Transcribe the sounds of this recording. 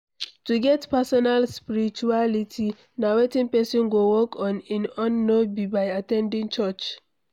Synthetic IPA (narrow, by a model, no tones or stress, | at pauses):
tuɡɛtpɛsɔnalspiɾit͡ʃualitʰi | nawetĩnpɛsɔ̃nɡowɔkʰɔ̃nĩnɔ̃nːobibajatɛ̃ndĩŋt͡ʃɔt͡ʃ